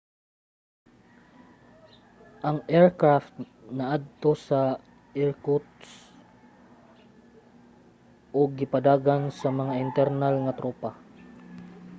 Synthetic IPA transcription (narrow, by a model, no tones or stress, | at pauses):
ʔɐŋʔɛɹkɹaft̪̚nɐʔad̪̚t̪o̞sɐ | ʔɛɹkut̪s | ʔoɡːɪpɐd̪aːɡansɐmɐŋaʔɪnt̪ɛɾnalŋɐt̪ɾoːpa